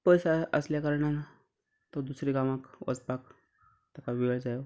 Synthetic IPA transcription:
pəjsaə̰sljakəɾɳana | t̪od̪usɾiɡamakʋʔə̰t͡spak | t̪akaʋiəɭd͡zajo

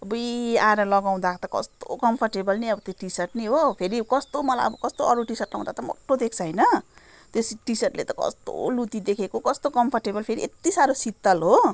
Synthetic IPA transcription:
bʌiaɾʌlʌɡaw̃d̪at̪ʌkʌ̰st̪o̰kʌmpʰʌrʈebʌlniʌbʌt̪joʈisʌrʈniɦopʰeɾikʌst̪omʌla̰jʌbʌkʌst̪oʌɾuʈisʌrʈla̰w̃d̪at̪ʌmo̰ʈːod̪ek̚ʰt͡sʰʌjnʌ | t̪osʈisʌrʈlḛt̪ʌkʌ̰st̪o̰lut̪id̪ekʰekokʌst̪okʌmpʰʌrʈebʌlpʰeɾiʔet̪isaɾosit̪ːʌlɦo

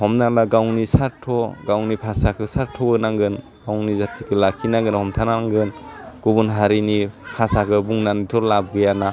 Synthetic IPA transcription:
hɔmnanaɡawnisaɾtʰɔɡawnipʰasakʰɯsaɾtʰɔbɯnaŋɡɯn | ɡ̥awnizatʰikʰɯlakʰːinaŋɡɯnhɔmtʰanaŋɡɯnɡ̥ubunɦaɾinipʰasakʰɯbuŋnanitʰɔɾlab̚ɡɯjana

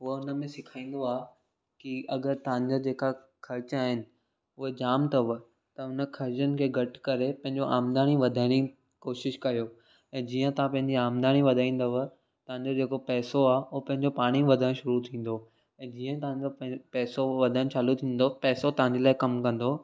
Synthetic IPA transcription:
ɦʊɦəʊnə̆mẽsɪkʰaːĩːn̆d̪oaː | kiɐɡəɾt̪ɐʋãɲd͡ʑod͡ʑeːka | kʰɐɾt͡ɕaːɦɪnɪ̆ | ʊɦed͡ʑaːmt̪ɐʋə | t̪ɐʊnəkʰɐɾt͡ɕənɪ̆kʰeːɡʱɐʈkɐɾepɐ̃ɦɪ̃ɲd͡ʑoʔaːmd̪aːɽ̃iʋɐd̪ʱaːɪɽ̃i | koːʃɪʃkɐijoː | ɛ̃ːd͡ʑiːə̃t̪ɐãpɐ̃ɦɪ̃ɲd͡ʑiaːmd̪aːɽ̃iʋɐd̪ʱaːĩːnd̪əʋ | t̪ɐʋ̤ɦãɲd͡ʑod͡ʑeːkopɛːsoaːʊɦpɐ̃ɦɪ̃ɲd͡ʑopaːɽ̃iʋɐd̪ʱəɽ̃ʃʊɾut̪ʰĩːn̆d̪o | ɛ̃ːd͡ʑiːə̃t̪ɐʋãɲd͡ʑopɛːsoʋɐd̪ʱəñ̆t͡ɕaːlut̪ʰĩːn̆d̪opɛːsot̪ɐɦãɲ̆d͡ʑelaːɪkɐmkɐ̃nd̪oː

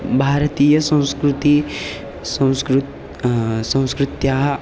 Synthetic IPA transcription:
bʱaːɾɐt̪iːjɐsɐ̃w̃skɾut̪i | sɐ̃w̃skɾ | sɐ̃w̃skɾɪt̪jaːɦ

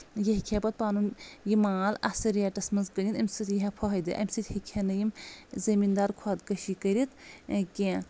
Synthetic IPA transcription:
jeɦikʲʰepɐt̪̚paːnunjimaːlɐsɐɾjɛʈɐsmɐnzkɐnʲinɐmʲsɨt̪jiɦɛpʰɔɦɐjd̪ɨ̰ʔɐ̰mʲsɨt̪hikʲʰenɐjimzɐmind̪aːɾkʰɔt̪kɐʃikɐɾʲit̪kẽː

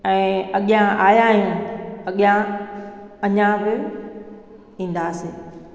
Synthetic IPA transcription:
ɛ̃ːɐɠijãʔaːjaːɦɪjũɐɠijã | ɐɲãbɪ | ĩːn̆d̪aːsɪː

